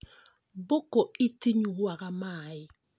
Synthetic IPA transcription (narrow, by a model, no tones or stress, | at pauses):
bokɔitiɲuakamaːɪ